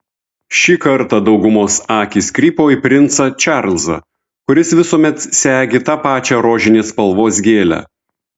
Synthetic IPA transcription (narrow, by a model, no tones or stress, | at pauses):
ʃʲiːkɐɾˑt̪ɑd̪ɒʊɡʊmoːsɑːkʲiːsʲkɾʲiːpoːipʲɾʲɪnt̪sɐt͡ʃʲɑɾlʲˠzɐ̰ | kʊɾʲɪsʋʲɪsuːmʲɛt̪sʲæːɡʲet̪ɑːpɑːt͡ʃʲɛɾoːʒʲɪnʲeːspɐlˠʋoːs̬ɡʲeːlʲæ̰